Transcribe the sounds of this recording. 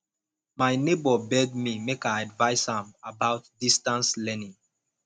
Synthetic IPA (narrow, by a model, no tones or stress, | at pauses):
maɪnebɔbɛdmimekaadvaɪsãmabaʊt̚distãnslɛnĩŋ